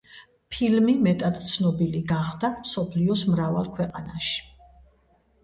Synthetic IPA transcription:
pʰilmimɛt̪ʼat̪t̪sʰnɔbiliɡaχd̪amsɔpʰliɔsmɾavalˠkʰwɛqʼanaʃi̥

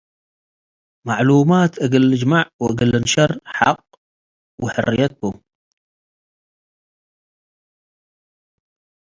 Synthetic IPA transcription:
maʕluːmaːt̪ʔaɡɪlːɪd͡ʒmaʕwʔaɡɪlːɪnʃɑrˤħɑ̰qː | wɪħʊ̰rːɪjat̪̚kʊm

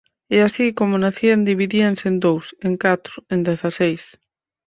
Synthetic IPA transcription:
easikomʊnaθiand̪iβiðiansend̪owseŋkat̪ɾʊend̪eθasejs

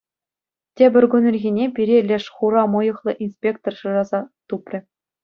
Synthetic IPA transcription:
tʲebʲɘ̆rʲɡunʲɘ̆rʲɣʲinʲepʲiɾʲelʲeʂχuɾɑmɤ̆jɤ̆χlˠɤ̆ʔinspʲek̚t̪orʂɤ̆ʐɑzɑt̪uprʲɘ̆

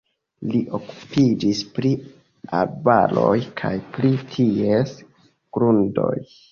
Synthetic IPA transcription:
liʔoku̥pid͡ʒispɾi | albalo̞jkʰa̰jplitʰies | ɡ̥ɾundo̞̰j

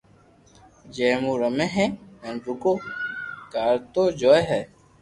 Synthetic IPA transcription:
d͡ʒeːmuːɾəmẽɦɛ̃ːẽːnd͡ʒukoːkaːɾt̪oːd͡ʒoːeɦɛː

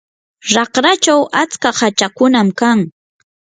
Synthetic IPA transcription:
ɾɑχɾat͡ʃawat͡skahat͡ʃakʊnamkaŋ

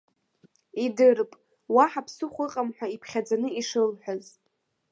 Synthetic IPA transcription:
idɨrpʼ | waħapʰsɨχʷɨqʼamħᶣʷaipʰχʲad͡zanɨiʂɨlħʷᶣaz

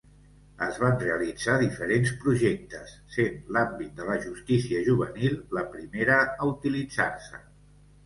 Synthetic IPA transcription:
əzβanreəlid͡zaðifəɾenspɾuʒɛk̚t̪əsːenlambit̪̚d̪ələʒust̪isiəʒuβ̞ənilˠːəpɾimeɾəəut̪ilid͡za̰rsə̰

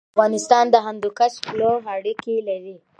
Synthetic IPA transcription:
ɣɑnɪst̪ɑnd̪əɦand̪ukaʃploɦaɽikelaɾi

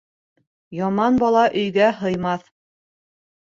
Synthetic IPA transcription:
jɑmɑnbɑlˠɑʔɵ̆jɡæɦɤ̆jmɑθ

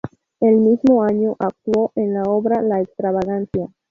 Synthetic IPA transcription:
elmizmo̞aɲo̞ʔak̚t̪wo̞ʔenlaoβɾalaekst̪ɾaβaɣansja

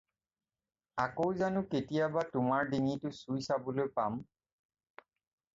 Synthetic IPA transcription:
akowzanʊketijabatʊmaɹdinitʊsujsabolojpam

